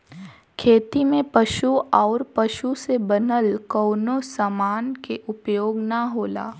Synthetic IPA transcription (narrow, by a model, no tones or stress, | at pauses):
kʰeːt̪imẽpɐʃuɔːɾpɐʃusebɐnəlkɔːnosamaːnkeʔʊpjoːɡnɐɦoːla̰ː